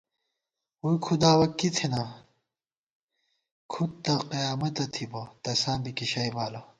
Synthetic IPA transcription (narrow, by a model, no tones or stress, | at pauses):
uikʰud̪aːwɐkːit̪ʰena | kʰut̪t̪ːɐqijaːmɐt̪ɐt̪ʰibɐt̪ɐsãːbikiɕɐjbaːlɐ